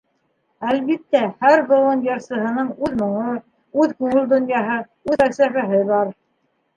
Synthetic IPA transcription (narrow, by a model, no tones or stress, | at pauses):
ælβit̪ːæhæɾbŏlˠɤnjɑɾsɤ̆ɦɤ̆nɤɴʉðmŏɴɤ | ʉðkʉŋɘld̪ŏnjɑɦɤ | ʉðæksæfæɦɘβɑɾ